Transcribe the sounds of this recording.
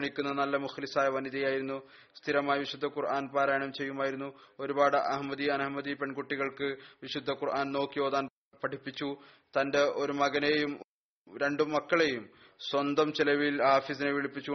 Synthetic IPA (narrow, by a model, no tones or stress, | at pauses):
ɳikʲːunːɐnɐlːɐmuxlisaːjɐʋɐniðɐjaːjiɾunːu | st̪ʰiɾɐmaːjɐʋiɕud̪ʱːɐkurʔaːnpaːɾaːjɐɳɐmt͡ɕe̞jːumaːjiɾun̪ːuo̞ɾubaːɽɨʔɐɦmɐd̪iɐnɐɦmːɐd̪ipe̞ɳɡuʈːiɣɐɭkɨʋiɕud̪ʱːɐkurʔaːnno̞ːkːijo̞ːd̪aːn | pɐʈʰipːit͡ɕːu | t̪ɐnde̞ʔo̞ɾumɐɣɐne̞jum | ɾe̞ɳɖumːɐkːɐɭe̞jum | swɐnd̪ɐmt͡ɕilɐʋilaːfis̬inɨʋiɭipːit͡ɕːu